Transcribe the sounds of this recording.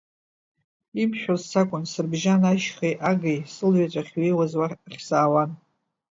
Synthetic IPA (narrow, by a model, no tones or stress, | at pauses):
imʃᶣozsakʷʼʊnsɨrbʒanaʃχejʔaɡejsɨlɥat͡ʃʷʼaχʲɥejwazwaχʲsaːwan